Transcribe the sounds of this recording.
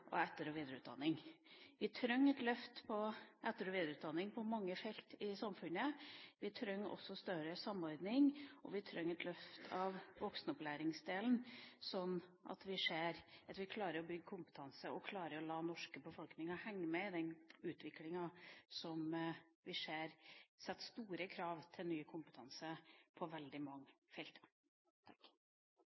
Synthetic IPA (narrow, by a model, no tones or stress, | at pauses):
ʔɔ̰ɛt̪ːəɾɔʋiːd̪əɾəʉːt̪d̪ɑ̰nːɪŋʋɪt̪ʰɾœŋːɛt̪lœft̪pʰɔʔɛt̪ːəɾɔʋiːd̪ɾʉːt̪̚d̪ɑnːɪŋpʰɔmɑŋːəfɛlt̪ɪsɑmfʉnəʋɪt̪ʰɾœŋːɔ̰sːɔst̪œɾəsɑmːɔɾd̪nɪŋʔɔ̰ʋɪt̪ʰɾœŋːɛt̪lœft̪ʰɑʋʋɔksnəɔplæːɾɪŋsd̪eːlnsɔnːʔɑ̰t̪ʋɪʂeːɾʔɑt̪ʋɪkʰlɑːɾəɾɔbʏɡːkʰʊmpə̥t̪ʰɑnsəʔɔkʰlɑːɾəɾɔlɑːnɔʂkəbəfɔlknɪŋɑhɛŋːəmɛd̪ɛnʉːt̪ʰʋɪklɪŋɑsɔm | ʋɪʂeːɾsɛt̪ːst̪uːɾəkʰɾɑːʋt̪ʰɪlnyːəkʰʊmpət̪ʰɑnsəpʰɔʋɛld̪ɪmɑŋːəfɛlt̪ | t̪ʰɑk